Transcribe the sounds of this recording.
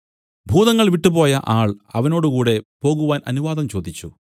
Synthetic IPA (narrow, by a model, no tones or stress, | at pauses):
bʱuːðɐŋːɐɭʋiʈːupo̞ːjɐʔaːɭɐʋɐno̞ːɽukuːɽe̞po̞ːɣuʋaːnʔɐ̰nuʋaːd̪ɐmt͡ɕo̞ːd̪ʱit͡ɕːu